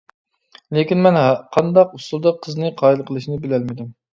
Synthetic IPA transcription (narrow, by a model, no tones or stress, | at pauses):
lekʲinmɛnqʰɑnd̪ɑqusulˠd̪əqʰːəznɨqʰɑːilˠqʰəlˠɨʃinɨbɪlɛlmɪd̪ɪm